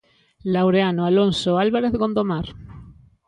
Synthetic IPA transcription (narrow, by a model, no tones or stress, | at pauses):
lawɾeanoalonsoalβaɾeθɡond̪omaɾ